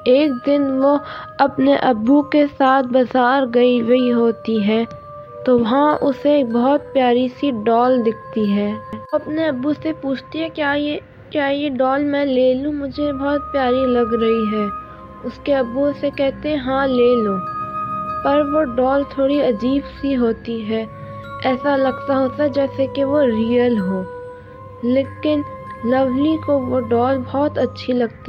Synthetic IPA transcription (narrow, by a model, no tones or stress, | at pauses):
eːk̚d̪ɪnʋoɐpneʔɐbːukesaːt̪̚ʰbɐzaːɾɡɐiɡɐiɦoːt̪iɦɛː | t̪oʋɐɦãʔʊseːk̚bɔɦːt̪̚pjaːɾisiɖɔːld̪ɪk̚ʰt̪iɦɛːɐpneɐbːusepuːt͡ʃʰt̪iɦɛ̃aː | kjaːjeɖɔːlmɛ̃ːleːlũmʊd͡ʒʱebɔːt̪̚pjaːɾilɐɡɾɐɦiɦɛː | ʊskeɐbːusekɛɦt̪eɦɛ̃ɦãːleːloː | pɐɾʋoɖɔːlt̪ʰoːɽiɐd͡ʒiːbsiɦoːt̪iɦɛː | ɛːsalɐɡt̪aɦoːt̪aɦɛd͡ʒɛːsekeʋoɾiːəlɦoː | leːkɪnlɐʋlikoʋoɖɔːlbɔːt̪ɐtːʃʰilɐɡt̪a